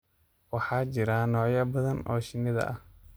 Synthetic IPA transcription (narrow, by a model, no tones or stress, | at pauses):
wɑħɑːt͡ʃɪɾaːnɔːʕjɐbɐðɐnɔ̰ːʃɪnɪðɐ̰ʔɐh